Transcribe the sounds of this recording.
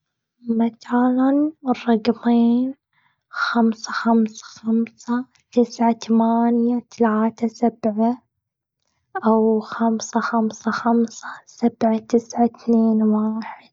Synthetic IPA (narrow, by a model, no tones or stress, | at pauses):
mat̪aːlanrˤːɑɡmiːn | xamsaxamsḁxamsa | t̪ɪsʕat̪amaːnjat̪alaːt̪asab̥ʕa | ʔawxamsaxamsaxamsḁsab̥ʕat̪ɪsʕat̪neːnwaːħɪd̪̥̚